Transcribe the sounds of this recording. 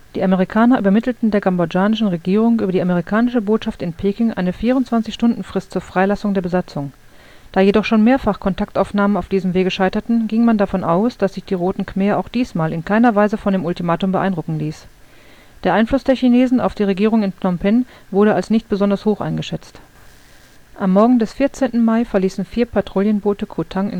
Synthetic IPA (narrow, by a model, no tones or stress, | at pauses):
d̥iːʔameʁ̞ikʰaːnɐʔy̰ːbɐmɪtl̩tn̩deːɐɡambod͡ʒaːnɪʃn̩ʁeɡiːʁʊŋʔyːbɐdiːameʁikʰaːnɪʃəboːtʃaftɪnpʰeːkɪŋʔa̰ɪnəfiːʁʊntt͡sv̥ant͡sɪçʃtʊndn̩fʁ̥ɪstt͡suːɐfʁ̥aɪlasʊŋdeːɐbəzat͡sʊŋ | d̥aːjedɔχʃoːnmeːɐfaχkʰɔntʰak̚tʔaʊfnaːmənaʊfd̥iːzəmveːɡəʃaɪtɐtn̩ɡɪŋmandafɔnʔaʊsd̥asz̥ɪçd̥iːʁoːtn̩kʰmɛːɐʔaʊxd̥iːsmaːlɪnkʰaɪnɐvaɪzəfɔndeːmʊltimaːtʊmbəʔa̰ɪndʁʊkŋ̩liːs | d̥eːɐʔaɪnflʊsd̥eːɐçineːzn̩a̰ʊfd̥iːʁ̞eɡiːʁ̞ʊŋɪnpʰnɔmpɛn | vʊɐɾəalsnɪçt̚b̥əzɔndɐshoːxʔa̰ɪnɡəʃɛt͡st | ʔamːɔɐɡŋ̩dɛsfɪɐt͡seːntn̩maɪfɛɐliːsn̩fiːɐpʰaɐtʁ̥oːljənboːtəkʰotʰaŋɪ̰n